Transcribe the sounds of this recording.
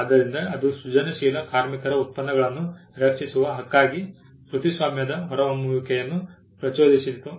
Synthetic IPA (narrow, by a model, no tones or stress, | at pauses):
ad̪ɐɾind̪ɐːd̪uʃut͡ʃɐnɐʃiːlɐkaːɾmikɐɾɐut̪̚pɐnːɐɡɐɭɐnːuɾɐkʂisuʋɐɦɐkːaːɡi | pɾut̪ʰisʋaːmjɐd̪ɐɦɔɾɐʋɐmuːjukʰɛjɐnːu | pɾɐt͡ʃoːd̪isit̪ːu